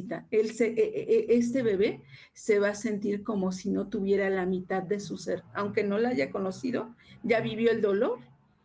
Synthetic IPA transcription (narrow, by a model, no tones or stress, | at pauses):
t̪aelseʔʔeʔes̬t̪e̞βe̞βe̞ | se̞βase̞nt̪iɾko̞mo̞sino̞t̪uβje̞ɾalamĩt̪aðːe̞suse̞ɾawŋke̞no̞laaʝako̞no̞siðoʝaβiβ̞jo̞e̞ld̪o̞lo̞ɾ